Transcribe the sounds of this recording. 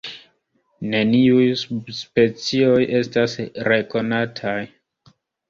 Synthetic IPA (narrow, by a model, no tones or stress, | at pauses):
ne̞niujsspe̞t͡sio̞jʔe̞stasɾe̞ko̞natʰaj